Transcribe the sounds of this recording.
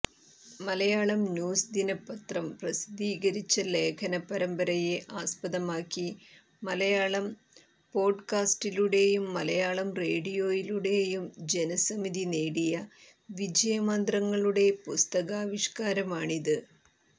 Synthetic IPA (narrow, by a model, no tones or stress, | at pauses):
mɐlɐjaːɭɐmnjuːsd̪inɐpːɐt̪rɐmprɐsi̥d̪iːɣɐɾit͡ɕːɐle̞ːkʰɐnɐpːɐɾɐmbɐɾɐjeʔaːspɐðɐmaːkːi | mɐlɐjaːɭɐm | po̞ːɖkaːsʈiluɽe̞jumːɐlɐjaːɭɐmre̞ːɽijo̞ːjiluɽe̞jumd͡ʑe̞nɐsɐmiðineːɽijɐ | ʋid͡ʑɐjɐmɐnd̪rɐŋːɐɭuɽe̞pust̪ɐɣaːʋiʂkaːɾɐmaːɳiðɨ